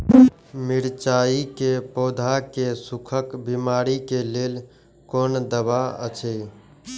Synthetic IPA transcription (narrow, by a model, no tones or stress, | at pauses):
miɾt͡ʃaːikepoːd̪ʱakesukʰəkbimaːɾikeleːl | koːnd̪əbaə̰t͡ʃʰe